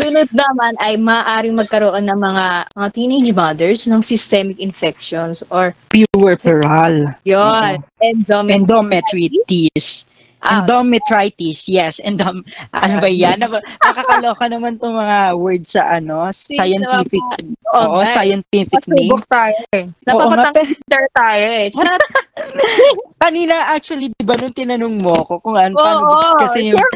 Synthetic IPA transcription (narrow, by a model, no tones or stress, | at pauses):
sulʊt̪̚nɐmanɐjmɐːʔaːɾɪŋmɐɡ̚kɐɾoʔonːɐŋmɐŋamɐŋat̪ined͡ʒmad̪ɛɹsnɐŋsɪst̪ɛmɪkɪnfɛk̚ʃonsoɹpjuwɛɹpɛɹaljonɛnd̪omɛnd̪omɛt̪ɾit̪is | ʔɐnd̪omɛt̪ɹajt̪isjɛsʔɛnd̪omɐnbɐjjanːɐbɐmɐkɐkloːkɐnɐmant̪ʊŋmɐŋawɛɹd̪̚sɐ̰ʔɐno̞ssajɐnt̪ifɪk̚ooːʔosajɐnt̪ifɪk̚neʊkt̪aːjoʔnɐopaʔopŋaɐpt̪ɛɹt̪aːjot͡ʃ | kɐniːnɐʔak̚t͡ʃʊɐlid̪ɪbanʊŋt̪ɪnɐnoŋmoɐko̞kʊŋɐnakɐsɛjʊ